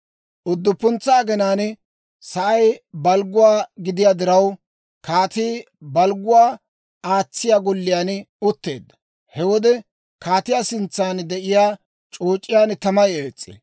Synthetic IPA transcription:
ʔʊd̪ːʊpːʊnt͡sːaːɡɛnaːn | sɐʔɐjbɐlɡʊwaːɡɪd̪ɪjaːd̪ɪɾɐw | kaːt̪iː | bɐlɡʊwaː | aːt͡sːɪjaːɡɔlːɪjaːn | ʊt̪ːe̞̰ːd̪ːɐ̥ | hɛwɔd̪ɛ | kaːt̪ɪjaːsɪnt͡sːaːnd̪ɛʔɪjaː | t͡ʃʼoːt͡ʃʼːɪjaːnt̪ɐmɐjeːt͡sʼːḛː

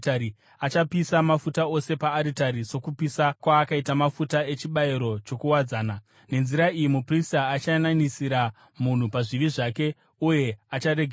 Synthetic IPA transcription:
taɾi | at͡ʃapisamafutao̞se̞paːɾitaɾiso̞kupisakwaːkaitamafutae̞t͡ʃiɓaiɾo̞t͡ʃo̞kuwad͡zaːna | ne̞nziɾaijimupristaːt͡ʃananisiɾa | mun̤upaʐiʋiʐake̞ | uje̞at͡ʃaɾeɡʱ

